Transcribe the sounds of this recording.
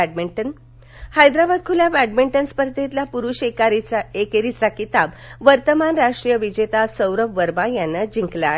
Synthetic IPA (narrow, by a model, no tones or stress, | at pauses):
ɖmiʈən | hajd̪ɾabad̪̚kʰuljabæɖmiɳʈənspəɾt̪et̪lapuɾuɕekaɾit͡saekeɾit͡sakit̪ab | ʋəɾt̪əmanɾaʂʈɾijəʋid͡ʑet̪asəwɾəbʋəɾbãjanːəd͡ʑiŋkla